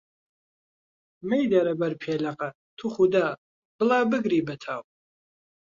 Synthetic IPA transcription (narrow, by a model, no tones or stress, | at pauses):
mɛjd̪aɾɐbɐɾpʰɛːlaqʼa | t̪ʰuχud̪a | b̥əlaːbɨɡɾiːbət̪ʰaːw